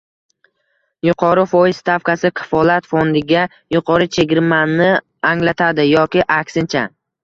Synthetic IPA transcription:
jʊqʰɒɾɪfɒjɪzst̪ʰafkasɪkʰɑ̥fɒlˠat̪fond̪ɪɡʲa | jʊqʰɒɾɪt͡ʃʰe̞ɡʲɪɾmanːɪ | aŋlat̪ʰad̪ɪjɒkʲɪʔakʲsɪnt͡ʃʰa

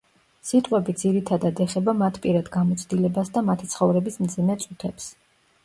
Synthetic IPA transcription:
sit̪ʼqʼwɛbid̪ziɾit̪ʰad̪ad̪ɛχɛbamat̪ʰpʼiɾad̪ɡamɔt̪sʰd̪ilɛbasd̪amat̪ʰit̪sʰχɔvɾɛbismd̪zimɛt̪sʼut̪ʰɛps

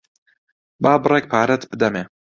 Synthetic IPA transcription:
baːbɨrɛk̚pʰaːɾɛt̪bɨd̪ɛmeː

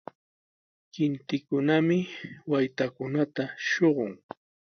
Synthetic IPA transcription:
kɪnt̪ɪkʊnamɪwajt̪akʊnat̪aʃoɢʊŋ

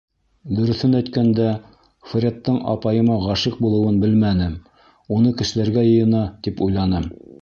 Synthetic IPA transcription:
d̪ɵ̆ɾɵ̆θɘnæjt̪kænd̪æ | fɾʲet̪ːɤɴʔɑ̰pɑjɤ̆mɑʁɑʃɤq̚bulˠɤ̆wɤnbɘlmænɘm | unɤkɘ̆ʃɘ̆læɾɡæjɤ̆jɤ̆nɑt̪ipujlˠɑnɤm

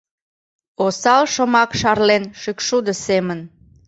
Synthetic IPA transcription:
osɑlʃəmɑkʃɑrlenʃykʃud̪ə̆semən

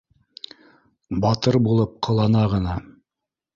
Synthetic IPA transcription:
bɑt̪ɤɾbulˠɤp̚qʰɤ̆lˠɑnɑʁɤ̆nɑ

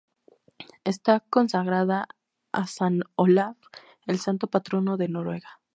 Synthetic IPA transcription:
e̞st̪ako̞nsaɣɾaða | a̰sanolaf | elsant̪o̞pat̪ɾo̞no̞ðe̞no̞ɾwe̞ɣa

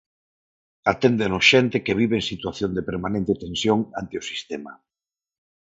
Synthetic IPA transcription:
at̪end̪enosʃent̪ekeβ̞iβeːŋsit̪waθjond̪epeɾmanẽnt̪et̪ẽnsjoŋant̪eʊsist̪ema̰

